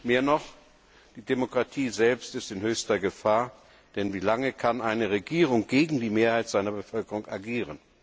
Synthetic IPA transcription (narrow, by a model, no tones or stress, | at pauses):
meːɐnɔχ | d̥iːdemokʁ̥atʰiːzɛlpstɪstɪnhøːçstɐɡəfaːɐ | d̥ɛnviːlaŋəkʰanʔaɪnəʁeɡiːʁ̞ʊŋɡ̥eːɡŋ̩diːmeːɐhaɪtz̥aɪnɐbəfœlkəʁʊŋaɡiːʁən